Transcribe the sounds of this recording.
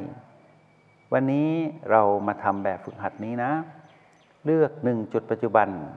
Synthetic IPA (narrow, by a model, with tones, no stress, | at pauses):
j | wa˧nːiː˦˥ɾa˧wmaː˧t̪ʰa˧mbɛː˨˩p̚fɯ˧˩k̚ɦa˨˩t̪̚niː˦˥na˦˥ | lɯ˥˩ək̚nɯ˨˩ŋt͡ɕu˨˩t̪̚pa˧t̪̚t͡ɕu˧˩ba˧n